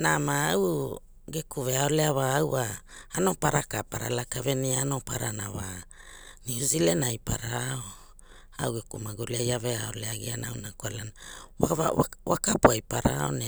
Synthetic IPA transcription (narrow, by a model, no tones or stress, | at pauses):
namaaw | ɡekuve̞aoleaβaːwaː | no̞paɾakapaɾa̰lakave̞niaanopaɾanawa | niuzile̞najpa̰ɾao | awɡekumaɡuleajaveao̞leaɡianawnakwalanawaaawakapuajpaɾao̞̰ne